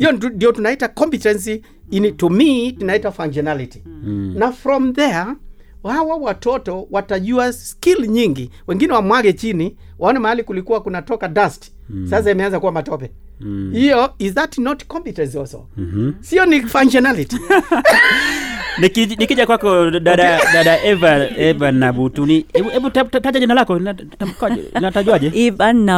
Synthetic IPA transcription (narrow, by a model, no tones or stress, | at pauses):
hijɔndijɔtunaitakɔmpitɛ̃ns̬i | initumitunaitafaŋd͡ʒɛnaliti̥nafɾɔmðɛ | hawawatɔtɔwataʄuaskilɲiŋɡiwɛŋɡinɛwamwaɡɛt͡ʃini | wʔaɔnamahalikulikuwakunatɔkadast | sas̬aimɛanzakuwamatɔpɛ | hijɔizðatnɔtkɔmputɛzɔsɔ̰siɔnifanʃɔnaliti | nikinikiʄakwakɔɗaɗaɗaɗaʔɛvaɛvanːabutuniɛɛbutatataʄaʄinalakɔa | tamkaɛ̰nataʄuaʄɛɛvanːa